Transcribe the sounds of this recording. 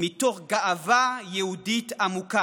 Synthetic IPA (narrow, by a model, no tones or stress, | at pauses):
mit̪oʁɡaʔavajeud̪it̪amuka